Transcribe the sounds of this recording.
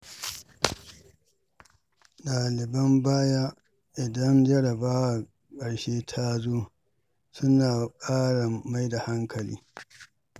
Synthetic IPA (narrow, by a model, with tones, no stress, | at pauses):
ɗaː˨lɪ˨bɐ˦mbaː˦ja˦ | ʔɪ˨dɐ˦nd͡ʒɐ˦ɽɐ˨baː˦wa˨ | kʼɐ˨ɽʃeː˦tʰa˦zoː˦ | sʊ˦naː˨kʼaː˦ɽa˨ma˦jda˨ha˦ŋkʰɐ˨lḭː˦